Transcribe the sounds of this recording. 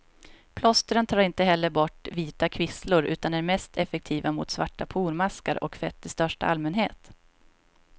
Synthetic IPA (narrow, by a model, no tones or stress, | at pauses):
pʰlɔst̪əɾənt̪ʰɑːɾɪnt̪əɦɛlːəɾbɔʈːviːt̪akʰvɪslʊɾʉ̟ːt̪anæɾmɛst̪ʰɛfɛk̚t̪ʰiːvamʊ̰t̪svaʈːapʰuːɾmaskaɾʔɔ̰kfɛt̪ʰːɪst̪œʂʈa̰ʔalmɛnɦeːt̪